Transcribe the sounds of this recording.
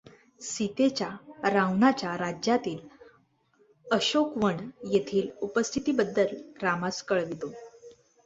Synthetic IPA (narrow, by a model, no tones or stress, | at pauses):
sit̪et͡ɕjaɾawnat͡ɕjaɾad͡ʑjat̪iːl | əɕokʋəɳjet̪ʰiːlupəst̪ʰit̪iːbəd̪ːəlɾamaskəɭd̪it̪o